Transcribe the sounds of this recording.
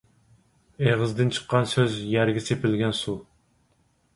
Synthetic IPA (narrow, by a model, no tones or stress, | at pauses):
eʁəzd̪ɨnt͡ʃʰə̥qʰːɑnsøzjæɾɡʲɛsepɪlɡʲɛnsu